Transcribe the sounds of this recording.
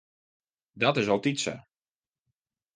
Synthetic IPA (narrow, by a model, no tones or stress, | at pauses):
dɔtɪs̬ɔlˠtisə̰